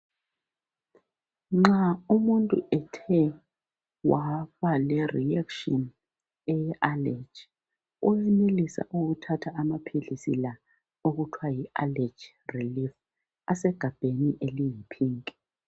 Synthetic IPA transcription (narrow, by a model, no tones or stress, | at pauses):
ŋ͡ǁaumuntʼuɛtʰɛ | waβalɛriɛkʃɔn | ɛjɛʔalɛ̥t͡ʃ | uwɛnelisa̰ʔuɣutʰatʰaːmapʰilisḭla | oɣutʰwajialɛd͡ʒ | rilif | asɛɡ̥ʱab̥ʱeniʔelijipʰiːŋkʼɛ̥